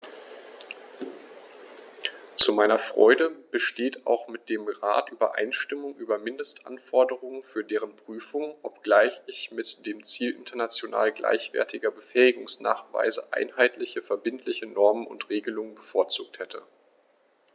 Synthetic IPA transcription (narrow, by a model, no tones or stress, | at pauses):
t͡sumaɪnɐfʁ̥ɔ̰ʏdəb̥əʃteːta̰ʊxmɪt̚d̥eːmʁa̰ːtʔyːbɐ̰ʔa̰ɪnʃtɪmʊŋʔyːbɐmɪndəstʔa̰nfɔɐdəʁ̞ʊŋənfyːɐdeːʁənpʁ̥yːfʊŋʔɔp̚ɡ̥laɪçɪçmɪtd̥eːmt͡siːlʔɪ̰ntɐnat͡sjona̰ːlɡlʔa̰ɪçv̥ɛ̰ɐtʰɪɡɐbəfɛːɪɡʊŋsna̰ːχv̥a̰ɪzəʔa̰ɪnhaɪtʰlɪçəfɛɐbɪntʰlɪçənɔɐmənʊ̰ntʁ̥eːɡəlʊŋənbəfoːɐt͡suːk̚thɛtʰə